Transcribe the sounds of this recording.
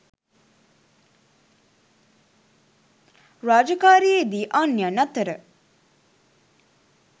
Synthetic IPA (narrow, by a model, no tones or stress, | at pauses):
ɾaːd͡ʒɐkaːɾied̪iːʔanːjanɐt̪əɾə